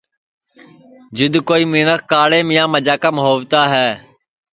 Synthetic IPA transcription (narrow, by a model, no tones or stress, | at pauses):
d͡ʒɪd̪koːiːmiːnəkːaːɽẽːmɪjãːməd͡ʒaːkaːmɦoːʋt̪aːɦɛː